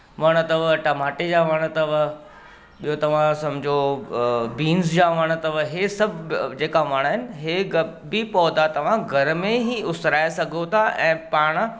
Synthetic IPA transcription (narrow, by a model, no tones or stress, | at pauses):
ʋɐɽ̃ə̆t̪ɐʋʈɐmaːʈed͡ʑaːʋɐɽ̃̆t̪ɐʋə | ɓijot̪ɐʋ̤ãsɐmbʱɪd͡ʑʱo | biːnzd͡ʑaːʋɐɽ̃̆t̪ɐʋəɦesɐbʱd͡ʑeːkaʋɐɽ̃ɦɪnɪ̆ɦeɡɐ | bipɔːd̪at̪ɐʋ̤ãɡʱɐɾmẽɦiʊsɾaːesɐɡʱot̪ʰaʔɛ̃ːpaːɽ̃̆